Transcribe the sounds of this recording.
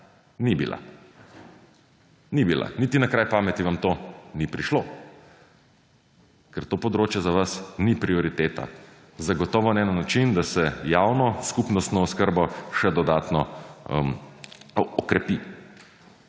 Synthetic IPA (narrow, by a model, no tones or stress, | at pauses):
nibḭla̰ | nibila̰nit̪inakɾajpaːmɛt̪iʋamt̪oːnipɾiʃlo | kɛɾt̪oːpɔd̪ɾoːt͡ʃjɛzaʋasnipɾiɔɾit̪eːt̪a̰ | zaɡɔt̪ɔːʋɔnɛːnnːat͡ʃind̪asɛjawnɔskupnɔst̪nɔɔskəɾbɔʃɛd̪ɔd̪aːt̪nɔm | ɔkɾɛpi